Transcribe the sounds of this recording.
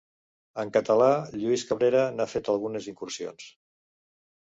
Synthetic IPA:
əŋkət̪əlaʎuiskəβɾeɾənafet̪əlˠɣuneziŋkursio̰ns

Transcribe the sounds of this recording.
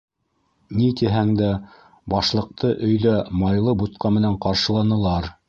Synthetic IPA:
nit̪iɦæŋd̪æ | bɑʃlˠɤ̆q̚t̪ɤʔɵ̆jðæmɑjlˠɤbut̪̚qɑmɘ̆næɴqɑɾʃɤ̆lˠɑnɤ̆lˠɑɾ

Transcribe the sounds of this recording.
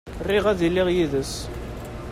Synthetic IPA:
rːiʁæðilːɪʁjiðəs

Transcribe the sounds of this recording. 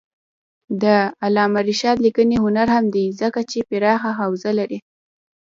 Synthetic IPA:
d̪əalɑmaɾɪʃɑd̪likəneɦʊnaɾhamd̪izəkat͡ʃepɪɾɑxaxawzalaɾi

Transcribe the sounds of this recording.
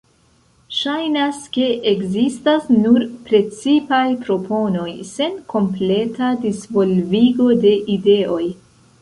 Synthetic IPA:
ʃajnaske̞ʔeɡzistasnuɾpɾe̞t͡sipajpɾo̞po̞no̞jse̞nkʰo̞mple̞tadisvo̞lviɡo̞de̞ʔide̞o̞j

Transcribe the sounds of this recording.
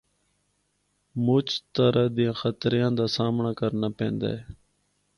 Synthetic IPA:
mʊt͡ʃt̪əɾad̪iãːxət̪ɾɪjãːd̪aːsaːmɳaːkəɾnaːpḛ̃ːnd̪a̰ːe

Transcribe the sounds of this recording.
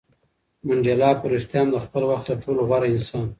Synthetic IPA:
maɳd͡ʒelɑpʊɾɪst̪jɑmd̪əxpəlwaxt̪̚d̪əʈʰoloɣwaɾaɪnsɑn

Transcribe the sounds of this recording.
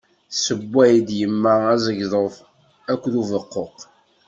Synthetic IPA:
səbʷːæjd̪jəmːææzəʝðˤəf | ækʷːðuvəqːoq

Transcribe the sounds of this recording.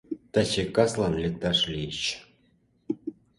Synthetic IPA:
t̪at͡ɕekɑslˠɑnlʲek̚t̪ɑʂlʲijɕ

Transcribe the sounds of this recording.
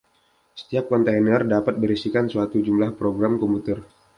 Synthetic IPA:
sə̥t̪iap̚kɔnt̪einərdapat̪̚bəɾisikansuat̪ud͡ʒumlahpɾoɡɾamkɔmput̪ər

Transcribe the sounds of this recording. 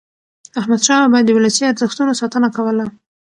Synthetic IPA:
ahmad̪ʃɑmabɑjad̪ːəwɪlajsiaɾzəxt̪unosɑt̪ənakawəla

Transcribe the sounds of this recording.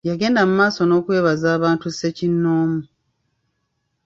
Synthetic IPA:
jaɡe̞ːndamumaːso̞no̞ːkwe̞ːβazaːβaːntuse̞cinːoːmu

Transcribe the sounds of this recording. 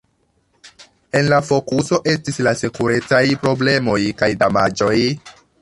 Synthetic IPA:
e̞nlafo̞kuso̞ʔe̞stislasekuɾe̞t͡sajpɾo̞ble̞mo̞jkajdama̰d͡ʒo̞j

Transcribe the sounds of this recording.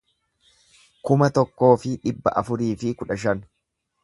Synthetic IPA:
kʊmɐt̪ɔkːo̞ːfɪᶑɪbːɐ̰ʔɐfʊɾiːfɪkʊᶑɐʃ̬ɐn

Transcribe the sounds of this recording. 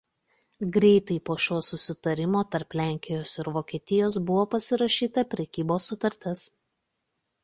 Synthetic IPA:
ɡɾʲɛɪt̪ɐɪpoːʃʲoːsʊsʲɪt̪ɐɾʲɪmoːt̪ɐɾplʲæˑŋʲkʲɪjoːsɪɾʋoːkʲeːt̪ʲɪjoːsbʊʋoːpɐsʲɪɾɐʃʲiːt̪ɐpʲɾʲɛkʲiːboːsːʊt̪ɐɾʲt̪ʲɪs

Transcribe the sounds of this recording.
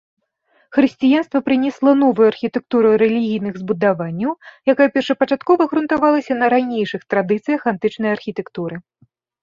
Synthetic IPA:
xɾɨsʲt͡sʲijanst̪vɐpɾɨnʲɛslˠɐnɔvujuarxʲit̪ɛk̚t̪uɾɨɾɛlʲiɣʲijnɨɣzbud̪avanʲːɐwjakajɐpʲɛrʂɐpɐt͡ʂat̪kɔvɐɣɾunt̪avalˠɐsʲɐnɐɾanʲejʂɨxt̪ɾad̪ɨt̪sɨjɐxant̪ɨt͡ʂnɐjarxʲit̪ɛkt̪uɾɨ

